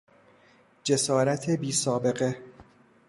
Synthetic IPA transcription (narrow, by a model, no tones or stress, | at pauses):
d͡ʒe̞sɒːɾæt̪ʰebiːsɒːbe̞ɣe̞